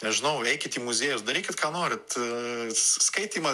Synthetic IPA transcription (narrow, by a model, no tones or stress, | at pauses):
nʲɛʒʲɪnɐʊɛɪkʲɪt̪iːmʊzʲeːjʊsd̪ɐɾʲiːkʲɪt̪kɑːnoːɾʲɪt̪ | skɐɪt̪ʲiːmɐ